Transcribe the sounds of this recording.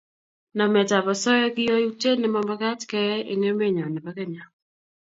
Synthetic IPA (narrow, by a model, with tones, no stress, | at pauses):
na˨mɛ˨ta˨βa˨sɔ˦jɔ˦kɪ˦jɔ˦u˦te˦nɪ˦ma˦mba˦ka˦tkɛ˦ḛ˨ŋe˦me˦˨ɲɔ˨nɛ˨pa˨˦kɛ˦ɲa˨